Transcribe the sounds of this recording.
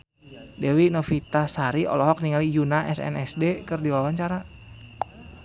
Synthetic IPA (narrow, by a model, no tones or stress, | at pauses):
dɛwinofit̪asaɾiʔɔ̰lɔɦɔk̚niŋalijunaʔɛsɛ̰nɛsdekɨrdiwawaɲt͡ʃaɾa